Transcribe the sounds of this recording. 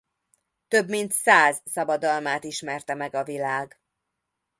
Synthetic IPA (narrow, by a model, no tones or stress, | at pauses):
t̪ø̞bmint̪saːzsɒbɒd̪ɒlmaːt̪iʃmɛrt̪ɛmɛɡɒvilaːɡ